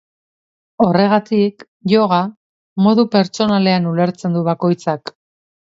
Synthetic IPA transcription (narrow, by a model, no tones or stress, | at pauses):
o̞re̞ɣ̞at̪ik | ʝoɣ̞a | mo̞ðupe̞ɾt͡ʃo̞nale̞anule̞ɾt͡se̞nd̪uβako̞jt͡sak